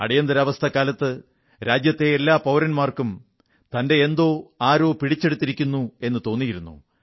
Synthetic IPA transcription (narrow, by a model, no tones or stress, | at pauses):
ɐ̰ɽijɐnd̪ɐɾɐʋɐst̪ʰɐkːaːlɐt̪ːɨ | ɾaːd͡ʑjɐt̪ːe̞ːlːaːpɐwɾɐnmaːrkum | t̪ɐnde̞ːnd̪o̞ːaːɾo̞ːpiɽit͡ɕːe̞ɽut̪ːiɾikʲːunːue̞nːɨt̪o̞ːnːijiɾunːṵ